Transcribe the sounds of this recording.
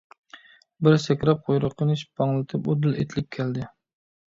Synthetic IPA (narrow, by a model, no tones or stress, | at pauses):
bɪɾsɛkʲɾɛp̚qʰojɾɨqʰːənɪʃbɑŋlˠɨt̪ʰɨpod̪ɨlet̪ʰɪlɪp̚kʲʰɛld̪ɪ